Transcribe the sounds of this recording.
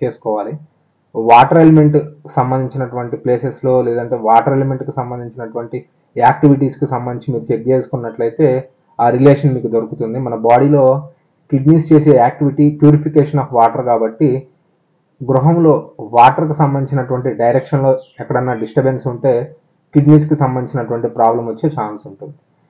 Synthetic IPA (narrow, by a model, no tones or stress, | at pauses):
t͡ʃe̞ːsu̥kɔːʋaːli | ʋaːʈɐɾeleme̞ɳʈkisɐmbɐnd̪iɲt͡ʃinɐʈuʋɐɳʈiple̞ːseslo̞ːleːd̪ɐɳʈe̞ːʋaːʈɐɾeleme̞ɳʈkisɐmbɐnd̪iɲt͡ʃinɐʈuʋɐɳʈi | aːk̚ʈiʋiʈiːskisɐmbɐnd̪iɲt͡ʃimiːɾut͡ʃeɾd͡ʒeːsu̥kunːɐʈlɐjt̪e̞ː | aːɾileːʂɐnmiːkud̪oɾukut̪und̪imɐnɐbaːɽilo̞ː | kiɖniːst͡ʃe̞ːse̞ːaːk̚ʈiʋiʈiːpjuːɾipʰikeːʂɐnɐfʋaːʈɐɾkaːbɐʈːi | ɡɾuɦɐmlo̞ːʋaːʈɐɾkisɐmbɐnd̪it͡ʃinɐʈuʋɐɳʈiɖɐjɾekʂɐnlo̞ːɛkːɐɽɐnːɐɖisʈɐbensuɳʈeː | kiɖniːs̬kisɐmbɐnd̪it͡ʃinɐʈuʋɐɳʈipɾaːblɐmʋɐt͡ʃːe̞ːt͡ʃaːnsuɳʈund̪i̥